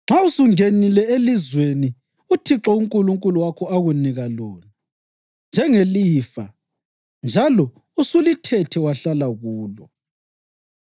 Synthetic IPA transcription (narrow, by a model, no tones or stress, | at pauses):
ŋ͡ǁʱausuŋenilɛelizweni | utʰiǁɔuŋkʼuluŋkʼuluwakʰɔaɣuniɣaloːna | nd͡ʒʱɛŋeliːfa̰ | nd͡ʒʱalɔ | usulitʰɛtʰɛwaɬalaɣuːlɔ